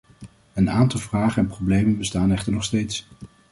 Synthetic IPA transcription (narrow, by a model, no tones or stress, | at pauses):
ənaːntɑlˠvraːχənɛnprowblejmənbəstaːnɛχtəɹnɔχstejts